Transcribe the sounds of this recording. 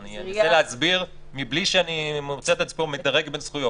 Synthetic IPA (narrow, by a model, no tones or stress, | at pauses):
nianiot͡seleat͡sbiʁmibliʃeanimot͡set̪at͡spomed̪aʁeɡbe̞nsχujo